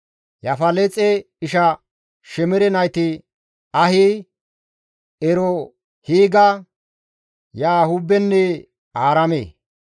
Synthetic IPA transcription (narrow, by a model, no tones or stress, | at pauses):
jɐfɐlɛt͡sʼɛ | ɪʃɐ | ʃɛmɛɾɛnɐjt̪ɪ | ɐhi | ɛɾɔ | hiːɡɐ | jaːhʊbɛnːɛ | aːɾɐmḛː